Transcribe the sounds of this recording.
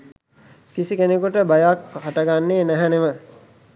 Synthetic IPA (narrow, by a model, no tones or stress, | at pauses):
kisikenekuʈəbajakɦaʈəɡanːeːnæɦɛnemə